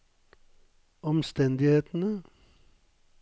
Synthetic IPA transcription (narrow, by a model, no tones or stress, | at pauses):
ɔmst̪ɛnd̪ɪheːt̪n̩ə